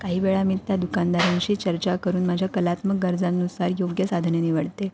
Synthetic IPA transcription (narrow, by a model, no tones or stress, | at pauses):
kaɦiːʋeɭamiːt̪jad̪ukand̪aɾãnɕiːt͡ɕəɾt͡ɕakəɾuːnmad͡ʑʱjakəlat̪mək̚ɡəɾd͡zanːusaɾjoɡjəsad̪ʱneniʋəɽt̪e